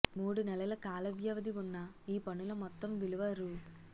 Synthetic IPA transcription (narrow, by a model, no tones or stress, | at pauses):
muːɽunɛlɐlɐkaːlɐʋjɐʋɐd̪iʋunːɐiːpɐnulɐmɔt̪ːɐmʋiluʋaːɾu